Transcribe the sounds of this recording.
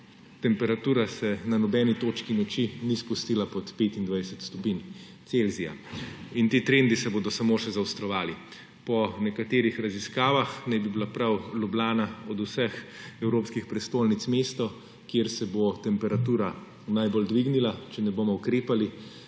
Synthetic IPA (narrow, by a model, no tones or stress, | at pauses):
t̪ɛmpɛɾat̪uːɾasɛnanɔbɛːnit̪oːt͡ʃkinɔt͡ʃinispust̪iːlapɔt̪peːt̪ind̪ʋajsɛt̪st̪ɔpin | t̪selzija̰int̪iːt̪ɾend̪isɛboːd̪ɔsamoːʃɛzawst̪ɾɔʋaːli | pɔnɛkat̪eːɾixɾɐziskaːʋaxnajbibilapɾawlublaːnaɔd̪usɛxɛwɾoːpskixpɾɛst̪oːlnit̪smeːst̪ɔ | kjeɾsɛbot̪ɛmpɛɾat̪uːɾa | najbold̪ʋiɡnilat͡ʃɛnɛbomɔukɾeːpali